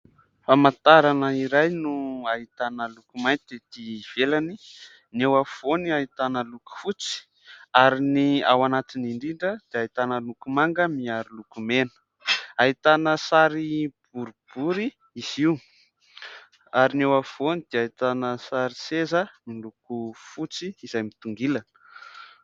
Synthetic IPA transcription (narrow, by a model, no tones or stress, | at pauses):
famant̪aɾanəiɾajnuaɦit̪anəlukumajnt̪id̪ed̪̥iv̥elani | newav̥oniait̪anəluku̥fut͡si̥ | aɾinia̰wanat̪iniɳɖ͡ʐiɳɖ͡ʐəd̪̥eait̪anəlukumaŋɡəmiaɾilukumenə̥ | aɦit̪anəsaɾib̥uɾub̥uɾi | iziw | aɾinewafonid̪̥eait̪anəsaɾisezəmilukufut͡siːzajmit̪uŋɡilanə̥